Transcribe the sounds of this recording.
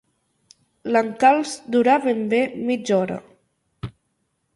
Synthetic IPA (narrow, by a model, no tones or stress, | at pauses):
laŋkalˠzd̪uɾaβembemid͡ʒɔɾə̰